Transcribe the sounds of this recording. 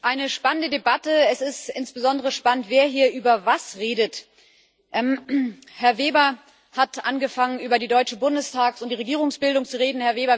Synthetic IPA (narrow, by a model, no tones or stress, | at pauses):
ʔaɪnəʃpanəndədebatəɛsɪstʔɪnsb̥əzɔndəʁ̞əʃpanəntv̥eːɐɦiːɐʔyːbɐvasʁeːdət | ʔɛmhɛɐveːbɐ | hatʔanɡəfaŋənyːbɐdiːdɔʏt͡ʃəbʊndəstʰaːksʊntd̥iːʁeɡiːʁʊŋsb̥ɪldʊŋt͡suʁeːdn̩hɛɐveːbɐ